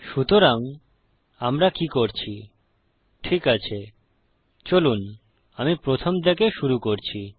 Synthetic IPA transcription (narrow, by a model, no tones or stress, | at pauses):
ʃut̪oɾaŋ | amɾakikoɾt͡ɕʰi | ʈʰikat͡ɕʰe | t͡ɕolun | amipɾot̪ʰomd̪ekeʃuɾukoɾt͡ɕʰi